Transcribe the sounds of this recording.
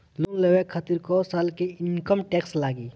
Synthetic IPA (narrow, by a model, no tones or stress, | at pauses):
lʊŋlewekʰat̪iɾkosaːlkiɪnkəmʈeːkslaːɡiː